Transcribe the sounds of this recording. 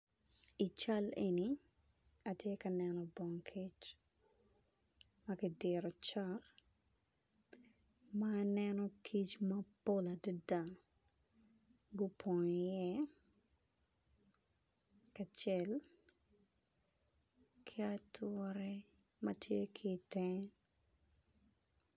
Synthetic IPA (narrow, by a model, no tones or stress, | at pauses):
it͡ʃalḛni | atjekɐnɛnɔbɔŋkʰit͡ʃ | mɐkidɪɾɔt͡ʃar | mɐːnɛnɔkʰit͡ʃmɐpolɐdʊdaŋ | ɡʊpʰɔɲjɛ | kɐt͡ʃɛl | kʰɪatʰɔɾɛ | mɐtʰjekʰɪtɛ